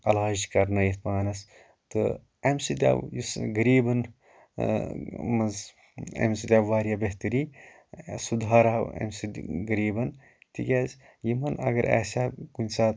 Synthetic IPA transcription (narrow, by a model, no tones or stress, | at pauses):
ɐlaːʒkɐɾnɐjit̪paːnɐs | t̪ɨ̰ | ɐmsid̪ʲa̰wjisɡɐɾiːbɐn | mɐz | ɐ̰msid̪ʲaʋaːɾijabeht̪ɨɾiː | sud̪ʱaːɾaɐ̰msiɡɐɾiːbɐn | t̪ḭkʲeːz | jimɐnɐ̰ɡɐɾʔḛsaːkunʲsaːt̪